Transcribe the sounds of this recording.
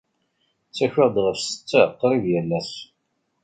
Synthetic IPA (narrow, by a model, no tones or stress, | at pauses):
t͡sːæçɪʁd̪ʁəfsə̥t͡sːæqːɾiðjælːæs